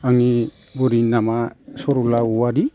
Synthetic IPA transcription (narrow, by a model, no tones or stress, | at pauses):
aŋni | bɔɾinamasɔɾulauwadi